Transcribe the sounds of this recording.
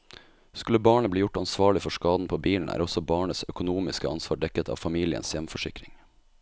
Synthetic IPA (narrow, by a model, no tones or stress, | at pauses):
skʉləbɑːɳəbliːjʊʈɑnsʋɑːɭɪfɔʂkɑːd̪n̩pʰoːbiːln̩ʔæ̰ːɾɔsɔbɑːɳəsœkʊnuːmɪskəɑnsʋɑːɖɛkət̪ʰɑ̰ːʋfɑmiːlɪə̰nsjɛmfɔʂɪkɾɪŋ